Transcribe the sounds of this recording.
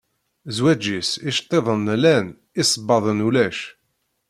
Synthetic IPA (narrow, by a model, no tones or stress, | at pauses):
zwæd͡ʒisiʃt̪ˤːeðˤənlæn | ɪsˤəbːɑðˤənulæʃ